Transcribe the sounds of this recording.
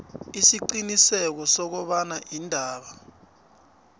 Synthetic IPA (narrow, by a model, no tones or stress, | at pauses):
isiǃinisɛk̬ɔsɔk̬ɔɓanaʔiːndʱaːɓa